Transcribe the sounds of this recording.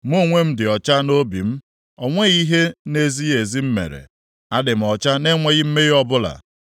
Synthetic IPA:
m˦o˦ŋʷe˦m̩˦dɪ˨ɔ˨t͡ʃa˦no˦bḭ˨m̩˦ | ɔ˨ŋʷe˦ɣi˦ɦe˦ne˦zi˦e˨zi˦m̩˦mḛ˨ɾḛ˨ | a˦dɪ˨m̩˨ɔ˨t͡ʃa˦ne˦ŋʷe˦ɣɪ˦m̩˦me˦ɣɔ˦bʊ˦la̰˨

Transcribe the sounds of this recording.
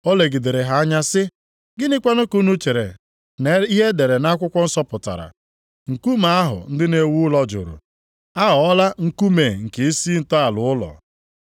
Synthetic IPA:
o˦le˨ɡi˨de˨ɾe˨ɦa˨a˦ɲa˦sɪ˦ | ɡɪ˦nɪ˦kʷa˦nʊ˦ku˦nu˦t͡ʃe˨ɾḛ˨ | n˨i˦ɦe˦de˨ɾe˨na˦kʷʊ˦kʷɔ˦n̩˦sɔ˦pʊ˨ta̰˨ɾa̰˨ | ŋ̩˨ku˦ma˨a˦ɦʊ̰˨n̩˦dɪ˦ne˨wu˦lɔ˦d͡ʒʊ̰˨ɾʊ̰˨ | a˦ɦɔ˨ɔ˦la˦ŋ̩˨ku˦me˨ŋ̩˨ke˨i˦si˦n̩˦˨tɔ˦a˨lʊ˨˦ʊ˦lɔ̰˨

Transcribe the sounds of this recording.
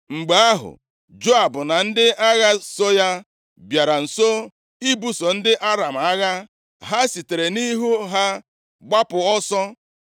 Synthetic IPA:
ŋ͡m̩˨ɡ͡ba˨a˦ɦʊ̰˨ | d͡ʒo˦a˨bʊ˨na˨n̩˦dɪ˦ʔa˦ɣa˦so˦ja˦ | bja˨ɾa˨n̩˨so˦ | i˦bu˦so˨n̩˦dɪ˦ʔa˦ɾa˨m̩˨a˦ɣa˦ | ɦa˦si˨te˨ɾe˨ni˦ɦu˦ɦa˦ | ɡ͡ba˦pʊ˨ɔ˦sɔ˦

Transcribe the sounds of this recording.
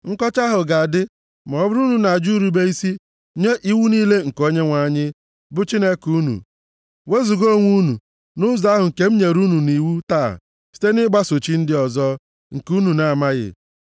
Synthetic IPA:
ŋ̩˦kɔ˦t͡ʃa˦ɦʊ˨ɡa˨dɪ˦ | m˨ɔ˨˦bʊ˦ɾu˦nu˨na˨d͡ʒu˦ɾu˨be˦i˦si˦ | ɲe˦ʔi˦wu˦niː˦le˦ŋ̩˨ko˦ɲe˦ŋʷa˨ɲɪ˦ | bʊ˦t͡ʃi˦ne˦ku˦nṵ˨ | we˦zu˨ɡo˦˨ŋʷu˦nṵ˨ | nʊ˦za˦ɦʊ˨ŋ̩˨ke˦m̩˦ɲe˨ɾu˦nu˨ni˨wu˦ta̰ː˦˨ | si̥˦te˦nɪ˦ɡ͡ba˦so˨t͡ʃi˦n̩˦dɪ˦ɔ˨zɔ˦ | ŋ̩˨ku˦nu˨na˨a˨ma˦ɣɪ̰˨

